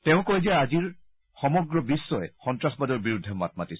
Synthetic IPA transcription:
tɛʊ̃kojziaaziɹ | xɔmɔɡɹɔbisːɔjɛxɔntɹasbadɔɹbiɹudʱːɛma̰t̚matis

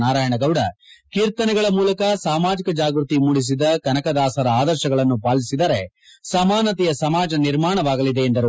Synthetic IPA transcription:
naːɾaːjɐɳɐɡɐwɽɐkiːɾt̪ɐnɛɡɐɭɐmuːlɐkɐsaːmaːd͡ʒikɐd͡ʒaːɡɾut̪imuɽis̬id̪ɐkɐnɐkɐd̪aːsɐɾɐaːd̪ɐɾʃɐɡɐɭɐnːupaːlisid̪ɐɾe̞ | sɐmaːnɐt̪ɛjɐsɐmaːd͡ʒɐniɾmaːɳɐʋaːɡɐlid̪e̞ːnd̪ɐɾu

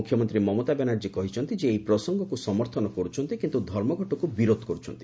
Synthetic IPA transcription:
ukʰjɔmɔnt̪ɾimɔmɔt̪abenaɾd͡ʒikɔɦit͡ʃʰɔnt̪id͡ʒeːipɾɔsɔŋɡɔkusɔmɔɾt̪ʰɔnɔkɔɾut͡ʃʰɔnt̪ikint̪ud̪ʱɔɾmɔɡʱɔʈɔkubiɾod̪ʱɔ̥kɔɾut͡ʃʰɔ̰nt̪i̥

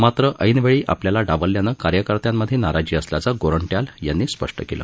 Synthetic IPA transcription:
mat̪ɾəʔʔəjnʋeɭiːʔa̰pljalaɖaʋəlːjanəkaɾjəkəɾt̪jamːəd̪ʱːjenaɾad͡ʑiːəslat͡saɡoɾəɳʈjaljanːiːspə̰ʂʈəkelə̰ː

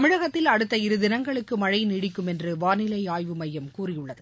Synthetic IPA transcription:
ɐmɪɻɐɣɐt̪ːɪlɐɽɯt̪ːɐɪɾɯðɪnɐŋɡɐɭɯkːɯmɐɻɐɪnɪɽɪkːɯmɛndrɯʋaːnɪlɐɪaːjʋɯmɐjːɐmkuːrɪjɯɭːɐðɯ

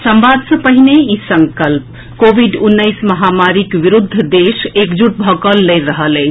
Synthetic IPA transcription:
səmbad̪sə̃pəɦineisəŋkəlp | kobʱiɖunːəjsməɦamaɾikʋiɾud̪ʱːd̪esekd͡ʒuʈ̚bʱəkəlːəjɾəɦələɪt͡ʃʰ

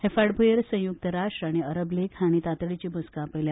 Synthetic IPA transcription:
hefaɽbʱujəɾsə̃juk̚t̪əɾaʂʈɾaɽ̃iəɾəblekhaɽ̃it̪at̪ɭit͡ɕibʱuskapəjlja

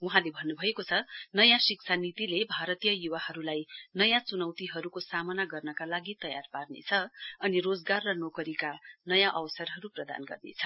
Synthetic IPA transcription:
wuɦãlebʱʌnːubʱʌekot͡sʰʌnʌjãsiksʰanit̪ilebʱaɾʌt̪ijʌjuwahʌɾulajnʌjãt͡sunʌwt̪iɦʌɾukosamʌnaɡʌrnʌkalaɡit̪ʌja̰rparnḛt͡sʰʌʌnirod͡zɡarːʌnokʌɾikanʌjãʔʌwsʌrɦʌɾuprʌd̪a̰nɡʌ̰rnḛt͡sʰʌ

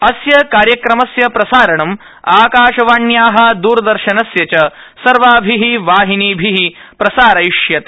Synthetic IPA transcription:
ɐsjɐkaːɾjɐkɾɐmɐsjɐpɾɐsaːɾɐɳɐm | aːkaːʃɐʋaːɳjaːɦɐd̪uːɾɐd̪ɐɾʃɐnɐsjɐt͡ʃɐ | sɐɾʋaːbʱiɦiʋaːɦiniːbʱiɦipɾɐsaːɾɐjʂjɐt̪

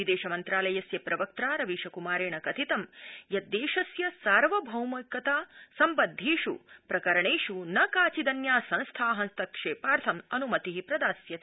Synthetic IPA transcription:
id̪eːʃɐmɐnt̪ɾaːlɐjɐsjɐpɾɐʋɐk̚t̪ɾaːɾɐʋiːʃɐkumaːɾeːɳɐkɐt̪ʰit̪ɐmjɐd̪eːʃɐsjɐsaːɾʋɐbʱɐwmɐkːɐt̪aːsɐmbɐd̪ʱːiːʂṵpɾɐkɐɾɐɳeːʂunɐkaːt͡ʃid̪ɐnjaːsɐ̃nst̪ʰaːɦɐnst̪ʰɐkʂeːpaːɾt̪ʰɐmɐnumɐt̪iɦipɾɐd̪aːsjɐ

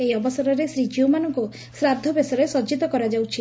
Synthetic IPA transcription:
ejɔbɔsɔɾɔɾesɾid͡ʒiomanɔŋku | sɾad̪ʱɔbesɔɾesɔd͡ʒit̪ɔkɔɾad͡ʒawt͡ʃʰi

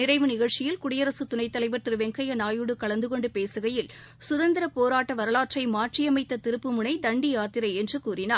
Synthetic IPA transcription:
nɪɾɐɪʋɯnɪɣɐɻt͡ʃɪjɪlkʊɽɪjɐɾɐsɯt̪ʊnɐɪt̪ːɐlɐɪʋɐɾt̪ɪɾɯʋɛŋkɐjɐnaːjɯɽɯkɐɭɐnd̪ɯkɔɳɖɯpeːsɯɣɐjɪl | sʊðɐnd̪ɪɾɐpoːɾaːʈːɐʋɐɾɐlaːʈʈrɐɪmaːʈrɪjɐmɐɪt̪ːɐt̪ɪɾɯpːɯmʊɳɐɪd̪ɐɳɖiaːt̪ɪɾɐɪɛndrɯkuːɾɪnaːɾ

